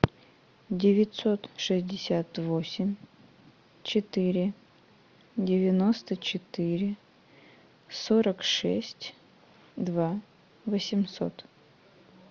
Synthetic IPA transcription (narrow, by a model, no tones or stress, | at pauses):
dʲɪvʲɪtʲso̞t̪ʂɨzʲdʲɪsʲat̪vosʲɪmʲ | t͡ɕɪt̪ɨɾʲɪ | dʲɪvʲɪno̞st̪ət͡ɕɪt̪ɨɾʲɪ | soɾəkʂɛ̰sʲtʲ | d̪va | vəsʲɪmso̞̰t̪